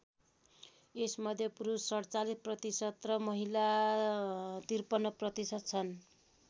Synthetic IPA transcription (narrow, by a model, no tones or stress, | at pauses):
esmʌd̪ʱjʌpuɾusːʌɽt͡salisprʌt̪isʌt̪rʌmʌɦila | t̪irpʌnːʌprʌt̪isʌt̪̚t͡sʰʌn